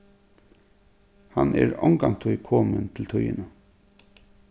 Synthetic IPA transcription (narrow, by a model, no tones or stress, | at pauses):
hanɛɹɔŋkamt̪ʰʊjkʰoːmənt̪ʰɪlt̪ʰʊjənə